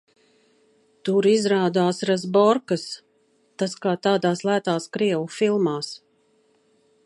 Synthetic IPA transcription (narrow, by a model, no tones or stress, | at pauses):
t̪uɾizɾaːd̪aːsɾazbɔɾkas | t̪askaːt̪aːd̪aːslˠæːt̪aːskɾiɛwufilˠmaːs